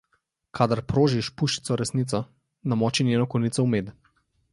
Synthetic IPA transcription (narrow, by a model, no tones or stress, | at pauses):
kʰad̪aɾpɾoːʒiʃpuʃi̥t̪sɔɾɛsnit̪sɔ | namɔːt͡ʃinʲjeːnɔkɔniːt̪ɔumeːd̪